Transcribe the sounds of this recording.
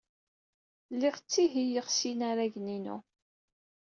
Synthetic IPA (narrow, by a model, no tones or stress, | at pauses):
lːɪʁt͡sːiɦijəʁsinaɾæʝninṵ